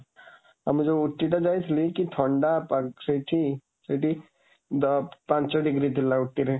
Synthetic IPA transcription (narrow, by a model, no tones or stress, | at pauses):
ɐmd͡ʒoʊʈːiʈ̪ad͡ʒait̪ʰlikit̪ʰɔːɳɖapsəʈʰi | siʈi | d̪pãt͡ʃɔɖɪɡɾid̪ɪlːaʊʈːiɾɛ